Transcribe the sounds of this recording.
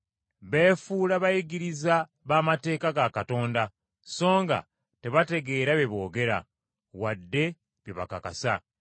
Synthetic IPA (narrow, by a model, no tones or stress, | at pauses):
βe̞ːfuːlaβajiɡiɾiza | βaːmate̞ːkaɡakato̞ːnda | so̞ːŋɡa̰ | te̞βate̞ɡe̞ːɾaβeβo̞ːɡe̞ɾa̰ | wadːe̞ | βjeβa̰kakasa